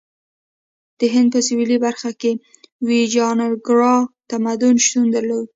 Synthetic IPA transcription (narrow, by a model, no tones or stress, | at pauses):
d̪̥əɦɪnd̪̚pəsɪwilibaɾxake | wid͡ʒɑnaɡɾɑt̪amad̪ʊnʃt̪und̪əɾlod̪̚